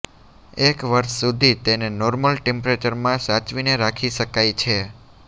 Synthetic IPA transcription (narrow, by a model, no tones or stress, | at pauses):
ekʋəɾʃsud̪ʱit̪enenɔɾməlʈẽmpɾet͡ʃəɾmãsat͡ʃʋineɾakʰiʃəkajt͡ʃʰe